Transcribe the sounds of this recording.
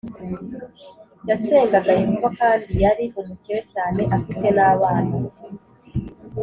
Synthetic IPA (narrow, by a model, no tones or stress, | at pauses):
jase̞ːŋɡaɡaiŋuβokaːndijaɾiʔumuciwe̞caːne̞ʔafite̞naːβaːna